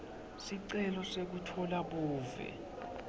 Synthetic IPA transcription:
siǀɛlɔsek̬utʰɔlaɓuːvɛ̰

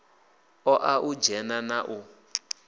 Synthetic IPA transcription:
ɔʔaʔud͡ʒɛnanaʔu

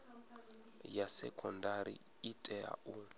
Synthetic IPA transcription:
jasɛkʰʼɔndaɾḭ | itʼɛa̰u

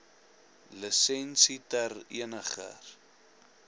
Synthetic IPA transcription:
ləsɛnsitərḭənəχə̰r

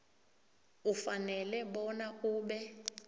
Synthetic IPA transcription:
ufanɛlɛɓɔnauːɓɛ

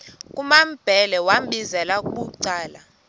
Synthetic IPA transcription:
kʼumam̩b̥ʱɛlɛwam̩ɓʱizɛlak̬ʼuɓuǀaːla

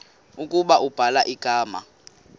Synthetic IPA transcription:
ukʼuɓaʔub̥ʱalaʔiɡ̥ʱaːma̰

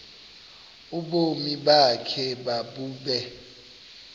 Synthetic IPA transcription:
uɓomiɓakʰɛɓaɓuːɓɛ

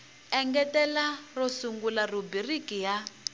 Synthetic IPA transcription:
ɛŋɡɛtɛlarɔsuŋɡularubirikija

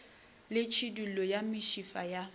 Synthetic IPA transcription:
lɪt͡ʃʰidulɔjamɪʃifaja

